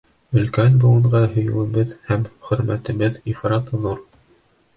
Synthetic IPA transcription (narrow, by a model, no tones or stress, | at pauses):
ɵ̆lkænbulˠɤ̆ɴʁɑɦɵ̆jɘ̆wɘ̆βɘðhæmχɵ̆ɾmæt̪ɘ̆βɘðifɾɑt̪ðuɾ